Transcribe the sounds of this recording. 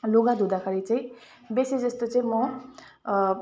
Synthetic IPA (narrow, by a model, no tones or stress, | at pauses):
loɡãd̪ʱud̪akʰaɾit͡saĩ | besid͡zʌst̪ot͡saĩmʌ